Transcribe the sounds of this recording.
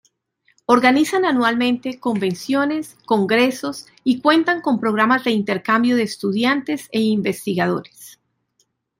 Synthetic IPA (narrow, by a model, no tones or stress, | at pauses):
o̞ɾɡanisananwalmẽ̞nt̪e̞ko̞mbe̞nsjo̞ne̞sko̞ŋɡɾe̞so̞s | ikwe̞nt̪aŋko̞mpɾo̞ɣ̞ɾamazd̪e̞int̪e̞ɾkambjo̞ðeːst̪uðjant̪e̞seimbe̞st̪iɣað̞o̞ɾes